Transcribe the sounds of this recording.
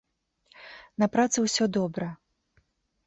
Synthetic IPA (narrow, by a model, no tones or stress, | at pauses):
nɐpɾat̪sɨwsʲɔd̪ɔbɾɐ